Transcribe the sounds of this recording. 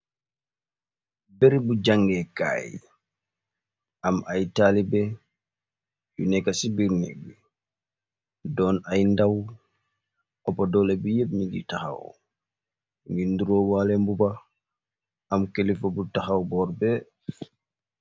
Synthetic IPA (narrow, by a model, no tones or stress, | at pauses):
beɾibud͡ʒaŋɡɛka̰j | ʔamʔajtalibɛ | junɛkasibiɾnḭbi | dɔnajndaw | ɔpadɔlɛbijebniɡḭtaha̰w̰ | ŋɡinduɾɔwalɛmbuba | amkelifɔbutahawbɔɾbɛ